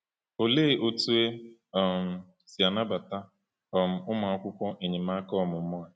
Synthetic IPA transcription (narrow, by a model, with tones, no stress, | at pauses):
o˨le˦˨ʔo˦tu˦e˦˨m̩˨ | si˨a˨na˦ba˨ta˦ | ɔ˨m̩˨ʊ˦ma˨a˦kʷʊ˦kʷɔ˦ʔe˨ɲɪ˨m˦a˦kɔ˦˨mʊ˨m̩˦mɔ˦a˨